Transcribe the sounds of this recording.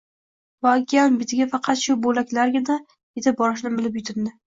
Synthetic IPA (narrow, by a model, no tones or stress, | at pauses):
vɒkʲianbɪt̪ʰɪɡʲafɑqʰɑt̪ʃʊbolakʲlaɾɡʲɪna | et̪ʰɪp̚bɒɾɪʃ̬nɪbɪlɪpjʊt̪ʰɪnd̪ɪ